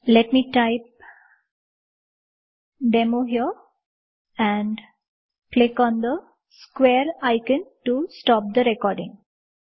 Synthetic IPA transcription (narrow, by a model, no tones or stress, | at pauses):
lɛʈmiːʈaɪp̚ | ɖemoɦiə | ɛ̃ɳɖ | plɪkɔ̃ːnd̪ə | skweːɾaɪkə̃nʈusʈɔːp̚d̪əɾɛkɔːɾɖɪ̃ŋ